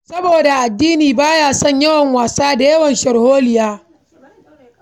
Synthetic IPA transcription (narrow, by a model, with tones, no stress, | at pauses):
sɐ˦boː˨da˨ʔa˨dːiː˦niː˨baː˦jaː˦sɔ˦˨ɲjɐ˦wɐ˨ŋwaː˨saː˦da˨jɐ˦wɐ˨nʃɐ˨ɽhoː˦lɪ˨jaː˦